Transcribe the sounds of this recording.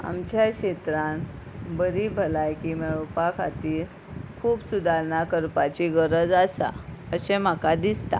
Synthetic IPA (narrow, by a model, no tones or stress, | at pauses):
a̰mt͡ɕaɕet̪ɾãn | bəɾibʱəlajkimeʋpakʰat̪iːɾ | kʰuːbsud̪ʱaɾnakəɾpat͡ɕiɡəɾəd͡zasa̰əɕem̤akad̪ist̪a̰